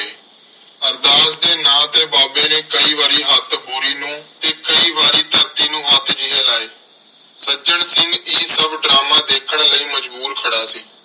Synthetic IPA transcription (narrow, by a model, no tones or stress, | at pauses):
eː | əɾd̪aːsd̪eːnãːt̪eːbaːbeːneːkəiːʋaːɾiːɦət̪buːɾiːnũːt̪eːkəiːʋaːɾiːt̪əɾt̪iːnũːət̪d͡ʒiːeːlaːeː | səd͡ʒəɳsɪŋɡiːsəbɖɾaːmãːd̪eːkʰəɳləiːməd͡ʒbuːɾkʰəɽaːsiː